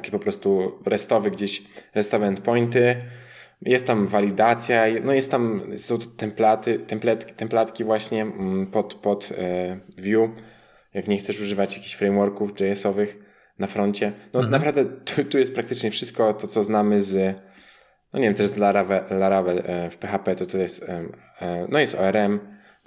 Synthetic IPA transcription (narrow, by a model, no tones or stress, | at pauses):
akʲipɔpɾɔst̪uɾʔɛst̪ɔvɘɡd͡ʑeɕɾɛst̪ɔvɛɛnt̪̚pɔjnt̪ɘ | jʔɛst̪t̪ːamvalʲid̪at̪sʲjajnɔjɛst̪t̪amsɔ̃w̪̃t̪ɛmplat̪ɘt̪ɛmplɛt̪kʲi̥t̪ɛmplat̪kʲivwaɕɲɛpɔt̪pɔt̪ | vʲju | jakɲɛxt̪sɛʂuʐɘvat͡ɕjakʲiɕfɾɛjmwɔɾkufd͡ʒɛɛsɔvɘx | nafɾɔɲt͡ɕɛnɔnapɾavd̪ɛt̪ut̪ujɛst̪̚pɾak̚t̪ɘ̥t͡ʂɲɛfʂɘst̪̚kɔt̪ɔt̪sɔznamɘz | nɔɲevjɛmt̪ɔɛɾɛszlaɾavɛlaɾavɛlfpɛxapɛt̪ɔt̪ɔjɛst̪ | nɔjɛst̪ɔɛɾɛm